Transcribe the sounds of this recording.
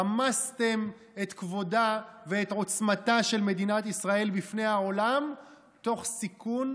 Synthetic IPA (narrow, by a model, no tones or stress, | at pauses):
amast̪e̞m | et̪kvo̞daveːt̪ʕo̞t͡smat̪aʃe̞lme̞d̪inat̪isʁae̞lbifne̞jao̞lam | t̪o̞χsikun